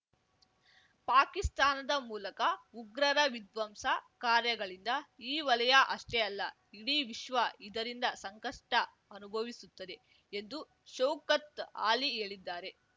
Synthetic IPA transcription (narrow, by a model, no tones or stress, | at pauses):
paːkist̪aːnɐd̪ɐmuːlɐkɐuɡɾɐɾɐʋid̪ʋɐmsɐkaːɾjɐɡɐɭind̪ɐiːʋɐlɐjɐʔɐʂʈeɐlːɐ | iɽiʋiʃʋɐid̪ɐɾind̪ɐsɐŋkɐʂʈɐ | ɐnubʱɐʋisut̪ːɐd̪e̞ | end̪u | ʃɐwkɐt̪aːlieːɭid̪ːaːɾe̞